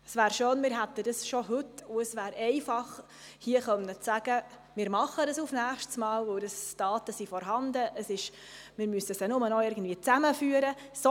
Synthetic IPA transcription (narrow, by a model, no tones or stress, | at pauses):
əsvæːɾʃøːnmɪːɾɦæt̪ːədəsʃɔɦɵtʊəsʋæːɾɛɪfɑχ | hiəχœnət͡sæɡ̥ə | mɪːɾmɑχədəsufnæːχʃtsmɑːlʋəldəsd̥ɑːtəsifɔɾɦɑndəʔəsɪʃ | mɪɾmysəsɛnʊmənɔɪɾɡən̩dviːət͡sæməfyːəɾə | sɔ